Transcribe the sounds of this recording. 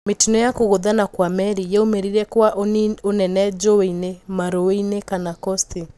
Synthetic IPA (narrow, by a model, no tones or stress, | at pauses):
metinɔjakoɣoðanakwamɛɾijɛomeɾiɾɛkwaʔonɛnɛd͡ʒoweinemaɾoweinekanakɔsti